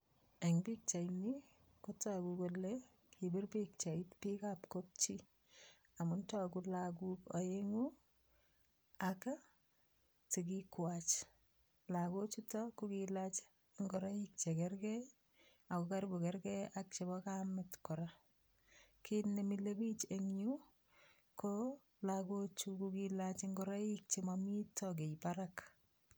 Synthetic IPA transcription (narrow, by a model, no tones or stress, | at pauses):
eŋbik̚t͡ʃaini | kotakukole | kʰibɪrbik̚t͡ʃaitpikapkop̚t͡ʃi | amʊntɔkulak̬ukɔeŋu | aka | tik̬ikwat͡ʃ | lakot͡ʃutɔkukilat͡ʃː | ŋɡɔɾaik̚t͡ʃekɛrkɛ | akukaɾbukɛɾkɛak̚t͡ʃebɔkamɪtkɔɾa | kinemilebit͡ʃeŋju | ko | lakot͡ʃukukilat͡ʃeŋɡɔɾaik̚t͡ʃemamitɔk̬ejpaɾak